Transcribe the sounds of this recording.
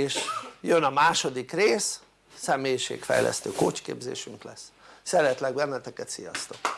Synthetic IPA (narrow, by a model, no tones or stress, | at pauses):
eːʃjønɒmaːʃo̞d̪ikreːsː | ɛmeːjiʃḛːkfɛ̰jlʔɛ̰st̪øːkoːt͡ʃkḛːbzḛːʃyŋklɛs | sɛɾɛt̪lɛɡ̚bɛnːɛt̪ɛkɛt̪sijɒst̪ok